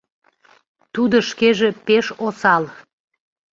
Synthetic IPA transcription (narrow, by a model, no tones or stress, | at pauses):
t̪ud̪oʃkeʒepeʃosɑl